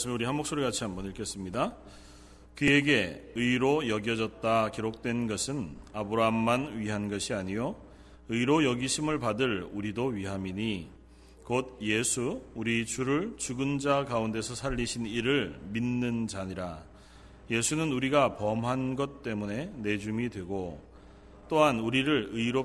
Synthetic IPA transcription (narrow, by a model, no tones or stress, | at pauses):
s͈ɯmuɾiɦanmok̚s͈oɾekat͡ɕʰiɦambʌniɭk͈es͈ɯmɲida | kɯe̞ɡe̞ɯiɾojʌɡjʌd͡ʑʌt̚t͈akiɾok̚t͈we̞nɡʌsʰɯnabɯɾaɦamːanɥiɦanɡʌɕʰiaɲijo | ɯiɾojʌɡiɕʰimɯɭpadɯɭuɾidoɥiɦamiɲi | kod̚je̞sʰuuɾit͡ɕuɾɯɭt͡ɕuɡɯnd͡ʑakaunde̞sʰʌsʰaʎːiɕʰiniɾɯɭminːɯnd͡ʑaɲiɾa | je̞sʰunɯnuɾiɡapʌmɦanɡʌt̚t͈e̞mune̞ne̞d͡ʑumidwe̞ɡo | t͈oɦanuɾiɾɯɭɯiɾo